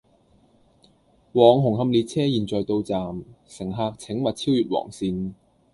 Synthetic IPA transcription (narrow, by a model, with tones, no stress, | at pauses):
wɔː˨˩ŋɦʊ˨˩ŋɦɐ˧mliː˨˩t̚t͡sʰɛː˥jiː˨nt͡sɔː˨˩jt̪o˧wt͡saː˨msɪ˨˩ŋɦaː˧k̚t͡sʰɪ˨˥ŋmɐ˨t̚t͡sʰiː˥wjyː˨t̚wɔ̰ː˨˩ŋsiː˧n